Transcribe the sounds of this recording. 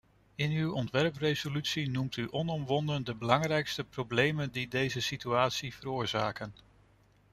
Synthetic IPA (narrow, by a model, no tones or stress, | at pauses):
ɪnywɔntʋɛɹprejzolytsinumtyʔɔnɔmʋɔndəndəbəlɑŋrɛjkstəprowblejməndidejzəsityaːtsiv̥əɾʊːɹzaːkən